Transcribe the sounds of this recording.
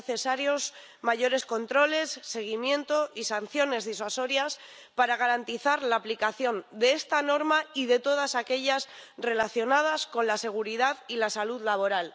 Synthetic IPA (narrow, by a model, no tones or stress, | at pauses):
θe̞saɾjo̞s | maʝo̞ɾe̞sko̞nt̪ɾo̞le̞sːe̞ɣ̞imjẽ̞nt̪o̞ʔisan̟θjo̞ne̞zðiswaso̞ɾjas | paɾaɣ̞aɾant̪iθaɾlaːplikaθjo̞nd̪e̞est̪ano̞ɾmaiðe̞t̪o̞ð̞asake̞ʎasre̞laθjo̞nað̞asko̞nlase̞ɣ̞uɾiðaðilasaluðlaβ̞o̞ɾal